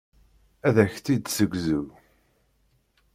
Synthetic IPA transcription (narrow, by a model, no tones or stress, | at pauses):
æðæçθid̪səɡʷzu